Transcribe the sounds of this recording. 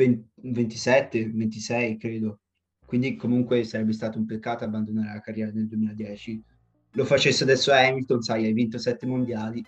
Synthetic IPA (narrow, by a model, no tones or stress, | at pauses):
envent̪isɛt̪ːevent̪isɛjkɾeːd̪o | kwind̪ikomuŋkwesaɾɛbːest̪aːt̪oumpekːaːt̪oabːand̪onaːɾelakarːjɛːɾaneld̪uemiːlad̪jɛːt͡ʃi | lofat͡ʃesːead̪ɛsːoɛmilt̪onsajajvint̪osɛt̪ːemond̪jaːli